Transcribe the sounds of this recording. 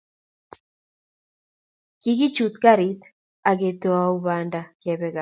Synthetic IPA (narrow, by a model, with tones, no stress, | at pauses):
ki˦ɡi˦t͡ʃu˨t̪ɡa˦ɾit̪ | a˨ɡe˨t̪o˦auβanda˨kɛbɛɡa˨